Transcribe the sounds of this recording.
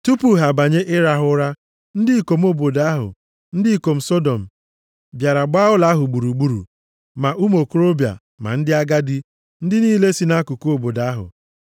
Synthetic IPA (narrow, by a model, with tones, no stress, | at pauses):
tu˦pu˨˦ɦa˨ba˨ɲe˦ʔɪ˦ɾa˦ɦʊ˦ɾa˦ | n̩˦dɪ˦i˨ko˨m̩˦o˦bo˨da˦ɦʊ̰˨ | n̩˦dɪ˦i˦˨ko˨m̩˨˦so˦do˨m̩˨ | bja˨ɾa˨ɡ͡ba˦ʊ˦la˦ɦʊ˨ɡ͡bu˨ɾu˨ɡ͡bu˦ɾṵ˨ | ma˨ʔu˦m˦o˨ku˦ɾo˦bja̰˨ | ma̰˨n̩˦dɪ˦a˦ɡa˦di˦ | n̩˦dɪ˦niː˦le˦si˦na˦ku˨ku˦o˨bo˨da˦ɦʊ̰˨